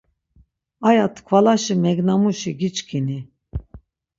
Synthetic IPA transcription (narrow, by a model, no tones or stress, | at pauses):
ajat̪ʰkʰvalaʃimɛɡnamuʃiɡit͡ʃkʰini